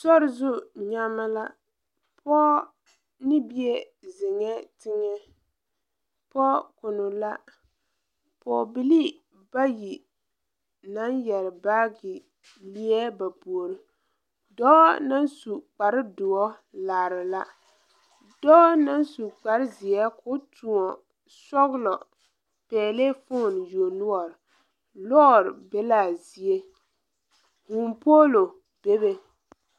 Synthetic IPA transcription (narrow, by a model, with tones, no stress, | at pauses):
sɔ˦ɾɪ˨zʊ˦ɲa˦ma˦la˦ | pʰɔ˦ | nɪ˦bi˦ɛ˦ | zɪ˨ŋɛ˦tɪ˦ŋɛ˦ | pɔ˦kʊ˨nʊ˨la˦ | pɔ˨bi˨li˦ | ba˦ji˨ | na˦njɛ˨ɾɪ˨baː˦ɡɪ˨ | li˦ɛ˦ba˨pu˨o˨ɾɪ˨ | dɔː˦na˦nsu˨k͡pa˨ɾɪ˦dʊ˨ɔ˦laː˨ɾɪ˨la˦ | dɔ˦na˦nsu˨k͡pa˨ɾɪ˦zi˨ɛ˦kʰʊ˦tʰu˨ɔ˨ | sɔ˦ɣlɔ˨ | pɛː˨le˦fʊ˦˨n˨jo˨nʊ˦ɔ˨ɾ | lɔ˦˨ɾbe˦la˨zi˨e˦ | hu˨mpoː˦lo˨ | b̥e˦be˦